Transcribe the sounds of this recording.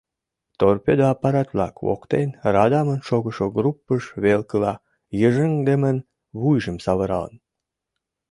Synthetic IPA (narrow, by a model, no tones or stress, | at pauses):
t̪orpʲed̪əɑpːɑɾɑt̪βlɑ̰ko̰kt̪enrɑd̪ɑmənʃoɣəʃoɡrupːəʃβelkəlɑ | jəʒəŋd̪emən | βujʒəmsɑβəɾɑ̰lə̰n